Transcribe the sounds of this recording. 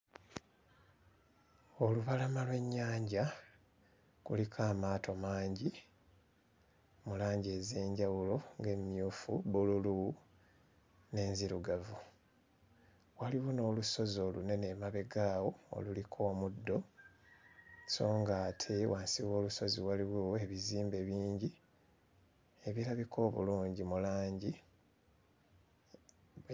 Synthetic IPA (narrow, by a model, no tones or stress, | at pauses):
o̞luβalamalwe̞ɲːaːɲɟa | kulikʰaːmaːto̞maːɲɟi | mulaːɲɟe̞ːze̞ːɲɟawulo̞ŋɡe̞mjuːfuβululu | ne̞ːnziɾuɡavu | waliwono̞ːluso̞zo̞ːlune̞ne̞maβe̞ɡawoo̰lulikʰo̞ːmudːo̞ | so̞ːŋɡaːtʰe̞waːnsiβo̞ːluso̞ziwaliwee̞βiziːmbe̞βiːɲɟi | eβiɾaβikʰo̞ːβṵluːɲɟimulaːɲɟi